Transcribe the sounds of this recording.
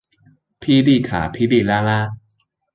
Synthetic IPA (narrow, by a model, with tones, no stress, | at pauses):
pʰi˦˨li˥˧˨kʰa̰ː˨˩˦pʰi˦˨li˥˧˨la˦˩la˦˧˦